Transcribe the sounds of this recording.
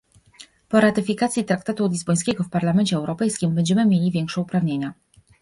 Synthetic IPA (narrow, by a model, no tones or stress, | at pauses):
pɔɾat̪ɘfʲikat̪sʲit̪ɾak̚t̪at̪ulʲizbɔj̃skʲɛɡɔfpaɾlamɛɲt͡ɕɛːɛwɾɔpɛjskʲimbɛɲd͡ʑɛmɘmʲjelʲivʲɛŋkʂɛupɾavɲeɲa